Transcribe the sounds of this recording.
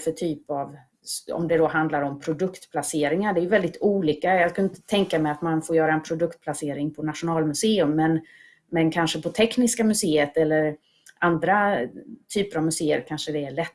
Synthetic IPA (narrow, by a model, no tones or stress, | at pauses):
fœʈʰyːpav | ɔ̰md̪ɛd̪ɔɦand̪laɾɔmpʰɾʊd̪ɵkt̪pʰlaseːɾɪŋaɖɛɾjɵvɛld̪ɪt̪uːlʏkːajɑɡskʰaɪnt̪ə̥t̪ʰɛŋkamɛat̪manfoːɾjœːɾaɛnpʰɾʊd̪ɵkt̪̚pʰlaseːɾɪŋpʰɔnat̪ʂʊnɑːlmɵseːɵmːɛn | mɛnkʰanʂəpʰɔt̪ʰɛknɪskamɵseːət̪ɛlːəɾ | and̪ɾat̪ʰyːpəɾavmɵseːə̰ɾkʰanʂəd̪ɛːɭɛt̪ː